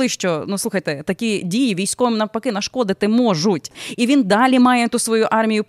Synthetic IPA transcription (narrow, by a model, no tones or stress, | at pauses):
ɪʃt͡ʃɔnuslˠuxɐjt̪ɛt̪ɐkʲidʲijɪʋʲijsʲkɔʋmnɐpɐkɪnɐʃkɔd̪ɪt̪ɪmɔʒutʲiʋʲind̪ɑlʲimɑjɛt̪usʋɔjuʔɑrmʲɪjʊp